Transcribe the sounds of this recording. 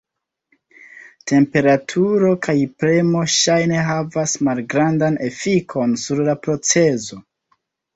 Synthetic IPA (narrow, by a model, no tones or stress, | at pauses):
te̞mpe̞ɾatʰuɾo̞kʰajpɾemo̞ʃajne̞ɦavasmalɡɾandane̞fikʰo̞nsuɾlapɾo̞t͡se̞zo̞